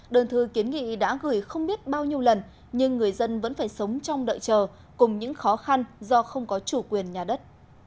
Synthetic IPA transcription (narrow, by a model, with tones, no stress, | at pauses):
ɗəː˨˩nt̪ʰɨ˨˩ki˨˦nŋḭ˧˨ɗa̰ː˧˥ɣɨ˧˩jxə˧wŋ͡mɓi˦˥ət̚ɓaː˧wɲi˧əwlə˨˩n | ɲɨ˧ŋːɨ˨˩əjzə˧nvə̰˧˥nfaː˧˩jsə˨˦wŋ͡mt͡ɕɔ˧wŋ͡mɗə̰ː˧˨jt͡ɕəː˨˩ | kʊ˨˩ŋ͡mɲɨ̰˧˥ŋxɔ˨˦xa˧nzɔ˧xə˧wŋ͡mkɔ˨˦t͡ɕu˧˩kwi˨˩ənɲaː˨˩ɗə˦˥t̚